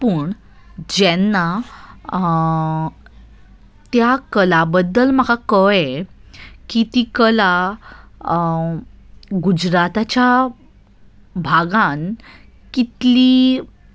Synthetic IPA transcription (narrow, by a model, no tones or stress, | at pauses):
pəɳ | d͡ʑɛnːa | t̪jakəlabəd̪ːəlm̤əkakəe | kit̪ikəla | ɡud͡ʑɾat̪at͡ɕja | bʱaɡãn | kit̪li